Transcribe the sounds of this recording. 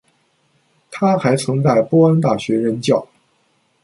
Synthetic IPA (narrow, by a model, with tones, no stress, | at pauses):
t̪ʰa˥xa˧˥ɪt͡sʰɤ˧˥ŋt͡sa˥˩ɪpwɔ˥a˥nt̪a˥˩ɕɥɛ˧˥ɻə˧˥nt͡ɕjɑ˥˩ʊ